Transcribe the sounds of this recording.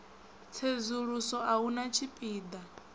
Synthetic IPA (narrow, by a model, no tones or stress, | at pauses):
t͡sʰezuɺusɔʔaunat͡ʃʰipʼiːd̪a